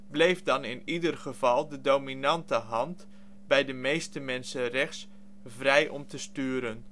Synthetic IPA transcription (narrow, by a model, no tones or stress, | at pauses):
blejfdɑnɪnidərχəv̥ɑlˠdədowminɑntəɦɑnt | bɛjdəmejstəmɛnsərɛχs | vrɛjʔɔ̰mtəstyːɾən